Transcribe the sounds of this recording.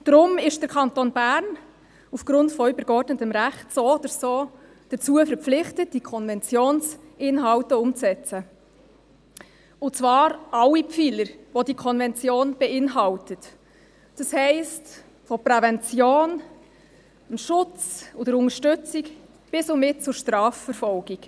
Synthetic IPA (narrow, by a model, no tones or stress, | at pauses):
d̥ɾʊmɪʃd̥əɾkʰɑntonb̥æɾn | ufɡ̥ɾʊntfɔybəɾkɔɾdnətəmɾæχtsoːod̪əɾsoː | d̥ət͡suəfəɾpp͡flɪχtət̚d̥ikʰɔnvɛnt͡sjoːnsʔɪnɦɑʊtəʊmt͡sɛt͡sə | ʊt͡svɑːɾɑlːipfiːləɾʋodikʰɔnvɛnt͡sjoːnb̥ɛɪnɦɑltət | d̥ɑshɛɪst | fɔpɾɛvɛnt͡sjoːn | əmʃʊt͡sodəɾʊŋəʃtʏt͡sik | b̥ɪsɔmɪt̚t͡sʊɾʃtɾɑːfəɾfɔlɡik